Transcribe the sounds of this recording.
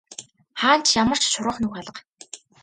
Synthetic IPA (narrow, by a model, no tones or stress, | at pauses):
χaːn̥t͡ɕʰjamə̆r̥t͡ɕʃʊɾə̆χnuxaɮə̆q